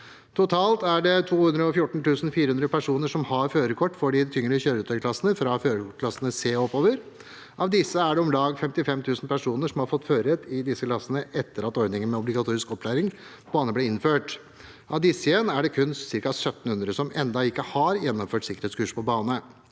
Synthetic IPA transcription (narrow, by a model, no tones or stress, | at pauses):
t̪ʰʊt̪ʰɑːlt̪æɖɛt̪ʰuːhʉnd̪ɾəɔfjʊʈːɳ̩t̪ʉːsn̩fiːɾəhʉnd̪ɾəpæʂuːnəʂɔmhɑɾføːɾəkʰɔʈːfɔɖɪt̪ʰʏŋːəɭɪəçøːɾʉːt̪ʰœklɑsənəfɾɑføːɾəkʊklɑsənəseːɔpːoːʋəɾ | ʔɑʋd̪ɪsəæɖɛɔmlɑːɡfɛmt̪ɪfɛmt̪ʰʉːsn̩pæʂuːnəʂɔmhɑɾfɔt̪ːføːɾɛt̪ɪd̪ɪsːəklɑsənəʔɛt̪ːəɾɑt̪ɔɾd̪ɪŋənmɛɔblɪɡɑt̪ʰuːɾɪskɔpʰːlæːɾɪŋ | b̥ɑːnəblɪːɾɪnføːʈ | ʔɑʋd̪ɪsːəjɛnæɖɛkʰʉnsɪɾkɑsœt̪ːn̩hʉnd̪ɾəsɔmɛnd̪ɑɪkːəhɑɾjɛnːɔmføːʈsɪkəɾheːt̪skʉːʂpʰɔbɑːnə